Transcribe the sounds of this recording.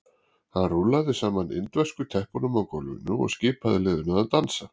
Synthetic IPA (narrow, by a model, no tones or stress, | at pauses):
hanruːlaɣðɪsaːmanɪ̰nt̪vɛskʏt̪ʰɛhpɔnʏmawkɔlʏ̰nːʏɔ̰ɣscɪːpaðɪlɪːðʏnaðat̪ansa